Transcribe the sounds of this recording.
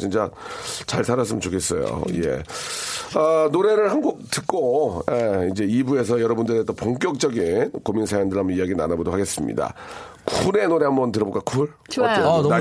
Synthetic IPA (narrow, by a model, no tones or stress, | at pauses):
t͡ɕint͡ɕ͈at͡ɕaɭsʰaɾas̬͈ɯmɯnt͡ɕokʰe̞s͈ʌjo̰je̞̰ | ʌnoɾe̞ɾɯɭhanɡuk̚tɯk͈ojeid͡ʑe̞ibue̞s̬ʰʌjʌɾʌbundɯɾet͈ʌpoŋk̬͈jʌk̚t͡ɕ͈ʌɡinkomiŋsʰajandɯɭɦamʌiaɡina̰nabodohaɡe̞s͈ɯmɲḭda̰kʰune̞noɾe̞ɦambʌntɯɾʌbok͈akʰuɭ | a